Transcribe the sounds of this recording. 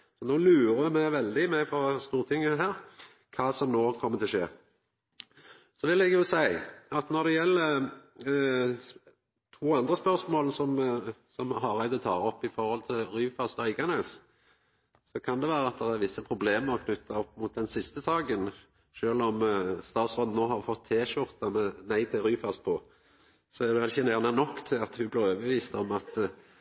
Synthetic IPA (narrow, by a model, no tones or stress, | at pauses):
sɔnoːlʉːɾəmæɪʋɛld̪ɪmæfɾɔst̪uːɾt̪ʰɪŋːəɦæːɾ | kʰɑːsɔmnoːkʰɔmːət̪ʰɪlʂeː | sɔʋɪlɛɡjʊsæɪɑt̪nɔʁd̪ɛjɛlːə | t̪ʰuːɑnd̪ɾəspœʁsmoːlsɔmsɔmɦɑʁæɪd̪ət̪ʰɑ̰ːɾɔpːɪfɔɾhɔlt̪ʰɪlɾyːfɑst̪ɑʏɪɡɑneːs | sɔkʰɑnd̪ɛʋæːɾəɑt̪̚d̪ɛʁæɾʋɪsːəpʰɾʊbleːməɾɔkʰnʉt̪ʰːɑɔpːmʊːt̪̚d̪ɛnsɪst̪əsɑːɡən | ʃøːlɔmst̪ɑːt̪sʁɔd̪n̩oːhɑʁfɔt̪ʰːeːʃʊʁt̪ɑmɛnæɪt̪ʰɪlɾyːfɑspʰɔ | sɔɛd̪ɛɛɪçːənæʁnɛnɔkːt̪ʰɪlɑt̪hʉblɪːʁɾøːʋəʋiːst̪ɔmɑt̪